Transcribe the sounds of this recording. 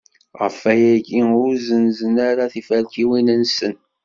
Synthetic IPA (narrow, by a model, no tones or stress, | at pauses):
ʁə̰fæjæɡiʊɾzənzənaɾaθifælkiwinənsən